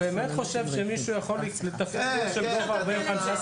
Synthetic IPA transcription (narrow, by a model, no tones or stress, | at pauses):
beːmet̪χo̞ʃe̞vʃemiʃujaχo̞lilet̪afikoʃebovaʁbeχanʃa